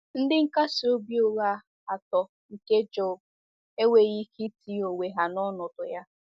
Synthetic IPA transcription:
n̩˦dɪ˦ŋ̩˦ka˦sɪ˨o˦bi˦o˨ɣa˦ | a˨tɔ˨ | ŋ̩˨ke˦d͡ʒɔ˦b | e˦we˨ɣi˦ki˦ti˦o˨we˨ɦa˨nɔ˦nɔ˨dʊ˨ja˦

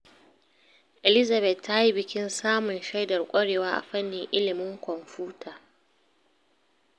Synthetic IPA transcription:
ʔe˨lɪ˦za˨bɛ˨tːa˦ji˦bɪ˦kʲɪ˦nsaː˦mʊ˨nʃa˦jdɐ˨rkʷʼɐ˦ɽeː˨waː˦ʔa̰˨ɸɐ˦nːɪ˨ŋʔɪ˦lɪ˨mɪ˦ŋkʷɔ˨mɸuː˦tʰaː˨

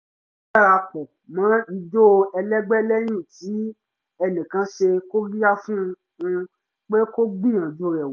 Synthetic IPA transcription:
a˦˨ɾa˧k͡pɔ˨ | mã˨˦i˧d͡ʒo˦ɛ˧lɛ˦ɡ͡bɛ˦lɛ˦j̃ĩ˦˨ti˨˦ | ɛ˦nĩ˨kã˧ʃe˧ko˦ɾi˦a˦fũ˦˧ | ũ˧ | k͡pe˦ko˦ɡ͡bĩ˦ã˨d͡ʒo˧ɾɛ˨w

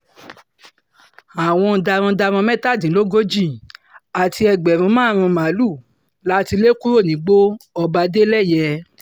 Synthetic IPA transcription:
a˨w̃ɔ̃˧da˧ɾ̃ɔ̃˧da˧ɾ̃ɔ̃˧mɛ̃˦ta˦˨dĩ˨˦lo˦ɡo˦d͡ʒi˦˨a˨ti˧ɛ˧ɡ͡bɛ˨ɾ̃ũ˨˧˦mãː˦˨ɾ̃ũ˧ma˨˦lu˦˨ | la˦ti˧le˦ku˦ɾo˦˨nĩ˨˦ɡ͡bo˦ɔ˧ba˧de˦lɛ˦˨jɛ˧

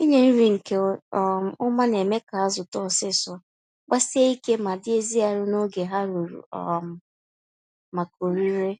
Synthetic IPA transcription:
i˦ɲe˨n̩˦ɾi˨ŋ̩˨ke˨˦˨ʊ˦ma˦n˨e˨me˦ka˨a˦zʊ˨tɔ˦˨sɪ˦sɔ˨ɔ˨ | ɡ͡ba˦se˦i˦ke˦ma˨dɪ˦e˦zi˦a˨ɾʊ˦no˦ɡe˨ɦa˦ɾo˨ɾṵ˨ɔ˨m̩˨ | ma˨ko˨ɾi˦ɾe˦

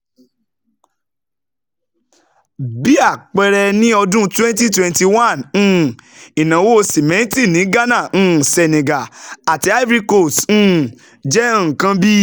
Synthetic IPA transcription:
bi˦a˦˨k͡pɛ˧ɾɛ˧nĩ˦ɔ˧dũ˦twɛ̃˦n˦t̬i˦twɛ̃˧nti˧wã˦˨ñ̩ː˦˨i˨nã˨wo˦˧˦si˨mɛ̃˨˦ti˦˨nĩ˨˦ɡa˦nã˦˨ñ̩ː˦˨sɛ˨nẽ˨ɡa˨a˨ti˧˦a˦vɾi˦ko˦˨s̩ː˦˨ | d͡ʒɛ̃˦˨kã˧bi˦

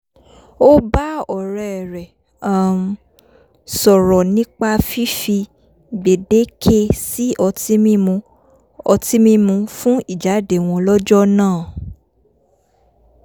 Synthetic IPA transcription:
o˦ba˦ɔ˨ɾɛ˨ɛ˨ɾɛ˨ | a˦m̩˧˦ | sɔ˨ɾɔ˨nĩ˦k͡pa˧fi˦fi˧ | ɡ͡be˨de˨˦kʰe˦si˦ʔɔ˧ti˦mĩ˦mũ˧ | ɔ˧ti˦mĩ˦mũ˧fũ˦i˦˨d͡ʒa˨˦de˨w̃ɔ̃˧lɔ˦d͡ʒɔ˦nãː˦˨

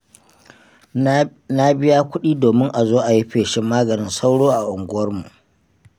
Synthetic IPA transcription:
na˦bɪ˦jaː˦kʷʊ˦ɗiː˦doː˨mɪ˦ŋʔa˨zoː˦ʔa˨ji˦ɸeː˨ʃɪ˦mːaː˦ɡɐ˨nɪ˦nsa˦wɽoː˦ʔa˨ʔʊ˨ŋɡʷʊ˦wɐ˦rmṵ˨ʔ

